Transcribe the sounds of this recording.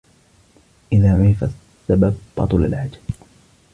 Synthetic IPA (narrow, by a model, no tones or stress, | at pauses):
ʔɪðaːʕʊɾɪfasːabab̚ːɑ̰t̪ˤula̰lʕad͡ʒḁ